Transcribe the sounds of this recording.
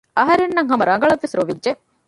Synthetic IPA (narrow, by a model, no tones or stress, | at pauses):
ɐɦɐɾenːɐŋɦɐmɐɾɐŋɡɐɭɐʋːesɾoʋidʒe